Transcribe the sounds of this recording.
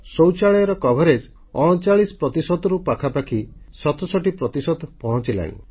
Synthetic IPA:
sowt͡ʃaɭɔjɔɾɔkɔbʱɔɾed͡ʒ | ɔɽ̃ɔt͡ʃaɭisɔ̥pɾɔt̪isɔd̪ɔɾupakʰapakʰisɔt̪ʰɔsɔʈipɾɔt̪isɔd̪pɔɦɔ̃t͡ʃila̰ñḭ

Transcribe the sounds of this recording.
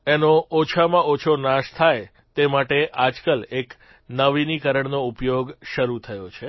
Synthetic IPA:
enoːt͡ʃʰamãʔot͡ʃʰonaʃt̪ʰaj | t̪emaʈeʔad͡ʒkəlek | nəʋinikəɾəɳnoupjoɡʃəɾut̪ʰəjot͡ʃʰe

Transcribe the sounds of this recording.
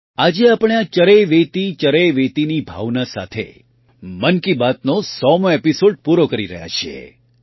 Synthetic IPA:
ad͡ʒeapəɽ̃eat͡ʃəɾejʋet̪it͡ʃəɾejʋet̪inibʱa̰ʋnasa̰t̪ʰḛ | mənkibat̪̚nosɔmãepisoɖ̚puɾokəɾiɾə̰ɦja̰t͡ʃʰiḛ

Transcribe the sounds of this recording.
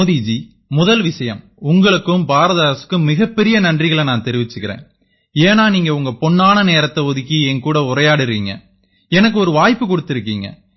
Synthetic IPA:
ðiːd͡ʒi | mʊðɐlʋɪsɐjɐm | ʊŋɡɐɭɯkːɯmbaːɾɐðaːɾɐsɯ̥kːɯmːɪɣɐpːɛɾɪjɐnɐndrɪɣɐɭɐnaːnt̪ɛɾɪʋɪt͡ʃːɯkːɪɾḛ̃ːn | eːnaːniːŋɡɐʊŋɡɐpɔɳːaːnɐneːɾɐt̪ːɐɔðɯkːiɛnkuːɽɐʊɾɐjaːɽɪɾiːŋɡɐ̰ | ɛnɐk̬ːɯɔɾɯʋaːjpːɯkɔɽɯt̪ːɪɾɯkːiːŋɡɐ̰

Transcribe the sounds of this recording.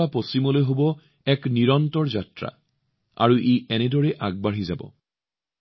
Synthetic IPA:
aposimɔlojɦobɔ | ɛkniɹɔntɔɹzatɹa̰ | a̰ɹuʔeɛnɛdɔɹɛʔaɡ̚baɹizabɔ̰

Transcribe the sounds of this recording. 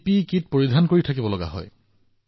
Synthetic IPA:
pikit̚poɹidʱankoɹitʰakibɔlɔɡa̰ɦɔ̰j

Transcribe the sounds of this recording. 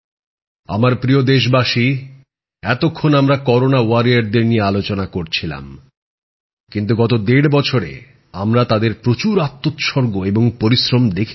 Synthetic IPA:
a̰maɾpɾiod̪eʃ̬baʃi | ɛt̪okʰːonamɾakɔɾonawaɾijaɾd̪eɾnijealot͡ɕonakoɾt͡ɕʰila̰m | kint̪̬uɡɔt̪od̪eɽbɔt͡ɕʰoɾḛ | amɾat̪ad̪eɾpɾot͡ɕuɾat̪ːot̪ʃɔɾɡoeboŋpoɾisɾomd̪ekʰ

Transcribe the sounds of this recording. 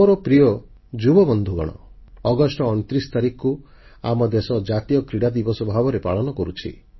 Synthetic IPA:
ɔɾɔpɾijɔ | d͡ʒubɔbɔnd̪ʱuɡɔ̰ɽ̃ɔ̰ | ɔɡɔsʈɔːñt̪ɾisɔ̥t̪aɾikku | a̰mɔd̪esɔd͡ʒat̪ijɔkɾiɽad̪ibɔsɔbʱabɔɾepaɭɔnɔkɔɾut͡ʃʰḭ

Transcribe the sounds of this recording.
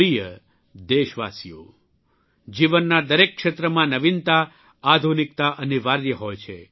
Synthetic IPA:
ɾijə | d̪eʃʋa̰sijo̰ | d͡ʒiʋənːad̪əɾekːʃet̪ɾəmãnəʋint̪a | ad̪ʱunik̚t̪aʔəniʋaɾjəɦɔjt͡ʃʰe

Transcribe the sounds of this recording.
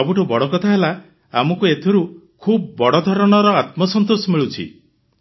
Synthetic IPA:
ɔbuʈubɔɽɔkɔt̪ʰaɦela | amɔkuet̪ʰiɾu | kʰubbɔɽɔd̪ʱɔɾɔɽ̃ɔɾɔat̪mɔsɔnt̪osɔmiɭut͡ʃʰḭ

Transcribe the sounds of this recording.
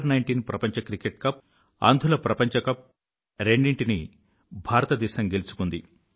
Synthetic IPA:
ɾnɐjɳʈiːnpɾɐpɐɲt͡ʃɐkɾikeʈ̚kɐp̚ | ɐ̰nd̪ʱulɐpɾɐpɐɲt͡ʃɐkɐp̚ | ɾeɳɖiɳʈini | bʱaːɾɐt̪ɐd̪ɛːʃɐmɡelut͡ʃu̥kund̪i

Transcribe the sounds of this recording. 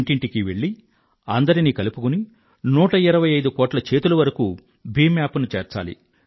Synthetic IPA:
ɳʈiɳʈikiʋeɭːi | ɐnd̪ɐɾinikɐlupukuni | nuːʈɐiɾɐʋɐjɐjd̪ukɔːʈlɐt͡ʃe̞ːt̪ulɐʋɐɾɐku | biːmaːpunut͡ʃɛːɾt͡ʃa̰ːlḭ

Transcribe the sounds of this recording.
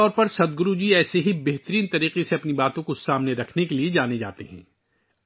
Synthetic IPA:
ɔːɾpɐɾsɐd̪̚ɡʊɾud͡ʒiɛːseɦibɛɦt̪əɾiːnt̪ɐɾiːqeseɐpnibaːt̪õkosaːmneɾɐkʰnekelied͡ʒaːned͡ʒa̰ːt̪eɦɛ̰̃ː

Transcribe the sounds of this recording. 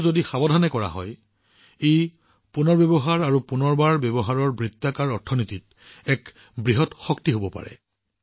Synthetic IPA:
zodixabɔdʱanɛkɔɹa̰ɦɔj | ej | punɔɹbebɔɦaɹaɹupunɔɹbaɹbɛbɔɦaɹɔɹbɹitːakaɹɔɹtʰɔnitit̚ | ɛk | bɹiɦɔtxɔktiɦobɔpa̰ɹɛ̰

